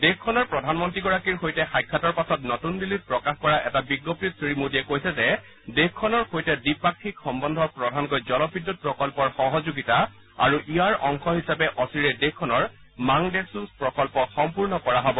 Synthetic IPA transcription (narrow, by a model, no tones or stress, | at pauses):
dexkʰːɔnɔɹpɹɔdʱanmɔntɹiɡɔɹakiɹxojtɛxajkʰːatɔɹpasɔtnɔtunbilit̚pɹɔkaxkɔɹaʔɛ̰tabiɡːɔp̚tisimodiɛkojsɛzɛ | dexkʰːɔnɔɹxojtɛdipakʰːikxɔmbɔndʱɔpɹɔdʱankojzɔlɔbidːut̚pɹɔkɔlpɔɹxɔɦɔzoɡita | a̰ɹuʔijaɹɔŋxɔɦisapɛʔɔsiɹɛdekkʰːɔnɔɹ | maŋdesuspɹɔkɔlpɔxɔmpuɹnɔkɔɹaɦɔbɔ